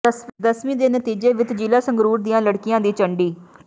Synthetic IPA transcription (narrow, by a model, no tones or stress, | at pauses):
d̪əsʋĩːd̪eːnət̪iːd͡ʒeːʋɪt̪d͡ʒiːlaːsəŋɡɾuːɾd̪ɪjãːləɽkɪjãːd̪iːt͡ʃəɳɖiː